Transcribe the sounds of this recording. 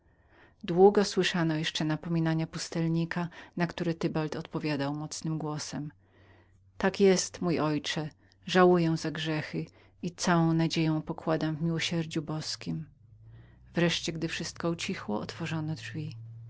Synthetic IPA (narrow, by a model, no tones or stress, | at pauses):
d̪wuɡɔswɘʂanɔjɛʂt͡ʂɛnapɔmʲinaɲapust̪ɛlɲikanakt̪uɾɛt̪ɘbalt̪ɔt̪pɔvʲjad̪awmɔt̪snɘmɡwɔsɛm | t̪akjɛst̪mujʔɔjt͡ʂɛ | ʐawujɛ̃zaɡʐɛxɘ | it̪sawɔ̃w̃nad͡ʑejɔ̃w̃pɔkwad̪amvmʲiwɔɕɛɾd͡ʑubɔskʲim | vɾɛʂt͡ɕɛɡd̪ɘfʂɘst̪̚kɔut͡ɕixwɔɔt̪fɔʐɔnɔdʐvʲi